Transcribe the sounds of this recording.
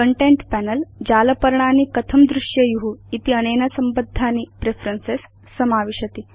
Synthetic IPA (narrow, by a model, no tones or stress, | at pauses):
kəɳʈeɳʈpænəld͡ʑaləpəɾɳaniːkət̪ʰəmd̪ɾuʂjəjuɦuit̪iənenasəmbəd̪ʱːaniːpɾefɾənsesː | əmaʋiɕət̪i